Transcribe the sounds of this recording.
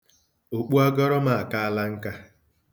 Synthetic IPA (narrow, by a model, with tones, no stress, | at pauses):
o˨k͡pu˦a˦ɡɔ˦ɾɔ˦ma˨a˨ka˦a˦la˦ŋ̩˦ka˦